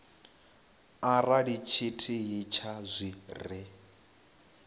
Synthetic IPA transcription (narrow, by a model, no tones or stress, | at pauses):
araɺit͡ʃʰitʰiɦit͡ʃʰazʷirɪ